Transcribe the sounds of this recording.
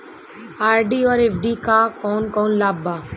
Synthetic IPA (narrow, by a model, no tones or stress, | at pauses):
aːɾɖiːɔːɾefɖiːkaːkɔːnkɔ̃ːnlaːbːaː